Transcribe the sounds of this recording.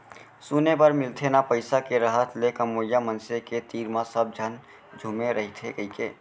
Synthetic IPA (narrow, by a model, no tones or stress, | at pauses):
sunepəɾmɪlt̪ʰenapəɪsakeɾəɦət̪ʰlekəmoːjːamənseket̪iːɾmãsəb̚d͡ʒʱən | d͡ʒʱumeɾəɦit̪ʰekəɦikḛː